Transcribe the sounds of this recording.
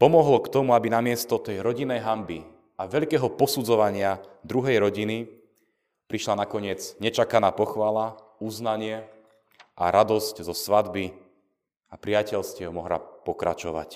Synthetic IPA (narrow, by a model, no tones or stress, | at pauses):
pɔmɔɦlɔkt̪ɔmuabinamɪɛst̪ɔt̪ɛjɾɔɟinːɛjɦambi | aʋɛʎkɛːɦɔpɔsud͡zɔʋaɲɪad̪ɾuɦɛjɾɔɟini | pɾiʃlanakɔɲɪɛd͡zɲɛt͡ʃakanaːpɔxʋaːla | uznaɲɪɛ | ʔa̰ɾad̪ɔsczɔsʋad̪bi | apɾɪacɛʎscɛmɔɦla̰pɔkɾa̰t͡ʃɔʋa̰c